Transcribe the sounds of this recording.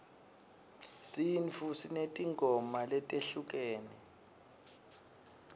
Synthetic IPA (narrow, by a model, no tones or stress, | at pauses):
sinfusinetʼiŋɡʱɔmalɛtʼeɬuk̬ʼeːni